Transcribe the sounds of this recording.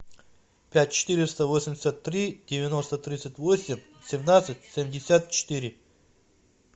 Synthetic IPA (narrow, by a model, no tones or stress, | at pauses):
pʲæt̚ʲt͡ɕɪ̥t̪ɨɾʲɪst̪əvosʲɪmʲdʲɪsʲət̪ːɾʲidʲɪvʲɪno̞st̪ət̪ɾʲit̪sɨtʲvosʲɪmʲ | sʲɪmnat̪sɨtʲsʲemʲdʲɪsʲat̪̚t͡ɕɪ̥t̪iɾʲɪ